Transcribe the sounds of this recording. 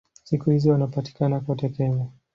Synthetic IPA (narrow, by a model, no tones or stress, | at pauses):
sikuhiziwanapati̥kanakwatɛkɛma